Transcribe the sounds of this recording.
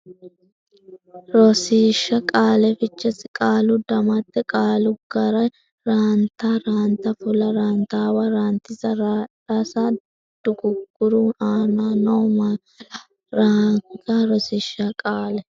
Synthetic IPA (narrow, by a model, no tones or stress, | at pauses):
ɾɔsiːʃːɐkʼaːlɛfɪt͡ʃːɛsɪkʼaːlʊd̪ɐmɐt̪ːɛkʼaːlʊɡɐɾɐj | ɾaːnt̪aːɾaːnt̪ɐfʊlɐɾaːnt̪aːwaɾaːnt̪ɪzɐɾaːᶑɐsa | d̪̥ʊɡʊɡːʊɾuːnaːnaːnɐwmɐ | ɾat̪aːɾɔsɪʃːakʼaːlɛ